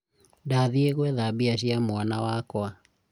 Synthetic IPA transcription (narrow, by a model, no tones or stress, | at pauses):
ndaðieɣwɛðabiaʃ̬iamwanawakwa